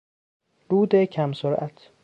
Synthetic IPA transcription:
ɾuːd̪ecʰæmsoɾʔæt̪ʰ

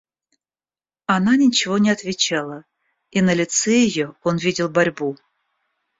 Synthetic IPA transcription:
ananʲɪt͡ɕɪvonʲɪat̪vʲɪt͡ɕalˠə | inəlʲɪt̪seɪjoonvʲidʲɪlˠbaɾʲbu

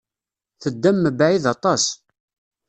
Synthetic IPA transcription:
θəd̪ːæmːəbʕiðɑt̪ˤɑs

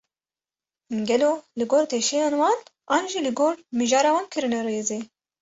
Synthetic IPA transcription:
ɡɛloːlɨɡoːɾt̪ʰeːʃɛjɑːnwɑːnʔɑːnʒilɨɡoːɾmɨʒɑːɾɑːwɑːnkʰɨɾɨnɛreːzeː

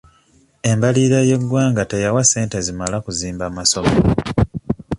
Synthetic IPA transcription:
e̞mbaliːɾaje̞ɡːwaːŋɡatejawase̞ːnte̞zimalakuziːmbaːmaso̞mo

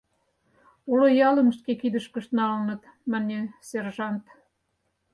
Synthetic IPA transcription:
ulŏjɑlə̆mə̆ʃkekid̪ə̆ʃkə̆ʃt̪nɑlənɤ̆t̪ | mænʲeserʒɑnt̪

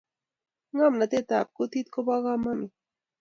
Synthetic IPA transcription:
ɢɑmnat̪et̪a̰pkʊt̪ɪt̪kopɑɢɑmamɪ

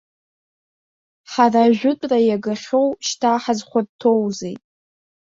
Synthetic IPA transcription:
ħaraʒᶣʷʊtʷʼrajaɡaχʲowʃtʰaħazχʷadtʰo̞wzejtʼ

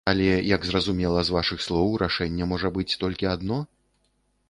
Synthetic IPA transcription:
ɐlʲɛjɐɡzrɐzumʲɛlˠɐzvaʂɨxslˠɔwɾʔaʂɛnʲːɛmɔʐɐbɨt͡sʲt̪ɔlʲkʲiad̪nɔ

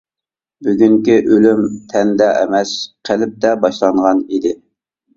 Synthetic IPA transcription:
byɡʲyŋkʲiʔølymt̪ʰɛnd̪ɛʔɛ̰mɛsqʰəlɪp̚t̪ɛbɑʃlˠɑɴʁɑnid̪ɪ

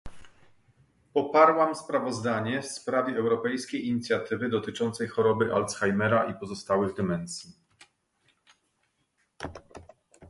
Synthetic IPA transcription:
pɔpaɾwamspɾavɔzd̪aɲɛfspɾavʲɛɛwɾɔpɛjskʲejiɲit̪sʲjat̪ɘvɘd̪ɔt̪ɘt͡ʂɔnt̪sɛjxɔɾɔbɘʔalt̪sxajmɛɾaʔipɔzɔst̪awɘɣd̪ɘmɛnsʲji

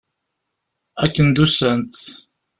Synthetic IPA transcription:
ækːənd̪usənt̪

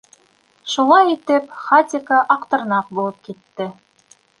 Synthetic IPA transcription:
ʃulˠɑjit̪ɘpχat̪ʲɪkɑʔɑqt̪ɤ̆ɾnɑp̚bulˠɤp̚kit̪ːɘ

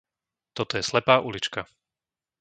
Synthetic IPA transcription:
t̪ɔt̪ɔjɛslɛpaːʔulit͡ʃka

